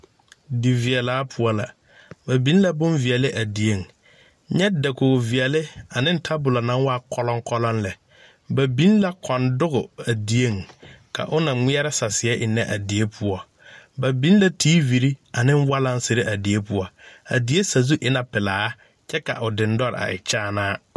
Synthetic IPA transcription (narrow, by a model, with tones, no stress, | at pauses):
di˨vi˨ɛ˨laː˨˦pʰʊ˦ɔ˦la̰˨ | ba˨bi˨˦n˦la˦bʊ˦nvi˨ɛ˨lɪ˦ʔa˨di˨e˦˨ŋ | ɲɛ˦da˨koː˨vi˨ɛ˨lɪ˦a˨nɪ̃˦n̩˦tʰa˦bʊ˨la˨nã˨˦ŋ˦waː˦kʰɔ˦lɔ˦ŋ˦kʰɔ˦lɔ˦nlɛ˨ | ba˨bĩ˦nla˦kʰɔ˨ndʊ˦ɣʊ˨a˨di˨e˦˨ŋkʰa̰˨ʔʊ˦nã˨ŋɪ˦ɛ˦ɾɪ˦sa˨sɪ˨˦ɛ˦ʔɪ˨nɛ˦ʔa˨di˨e˦pʰʊ˨˦ɔ˨ | ba˨bĩ˦n˦la˦tʰiː˦vi˨ɾi˦a˨nɪ̃˦n˦wa˦lã˦n˦se˨˦ɾe˦ʔa˨di˨e˦pʊ˨ɔ˨a̰˨di˨˦e˦sa˨zu˦ʔɪ˦na˨pɪ˨laː˨˦ | t͡ʃʰɛ˦ka̰˨ʔʊ˨dɪ̃˨n̩˦dɔ˦ɾ̰a̰˨ɪ̰˨t͡ʃaː˦˨naː˦